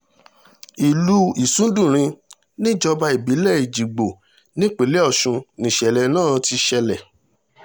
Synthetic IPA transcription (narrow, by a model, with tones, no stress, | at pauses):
i˨lu˦i˨sũ˨˦dũ˦˨ɾ̃ĩ˧ | nĩ˦d͡ʒɔ˧ba˧i˨bi˨˦lɛ˦˨i˨d͡ʒi˨ɡ͡bo˨ | nĩ˦k͡pe˨le˦ɔ˦˨ʃũ˧nĩ˨ʃɛ˨lɛ˨nãː˦˨˧ti˧ʃɛ˧lɛ˨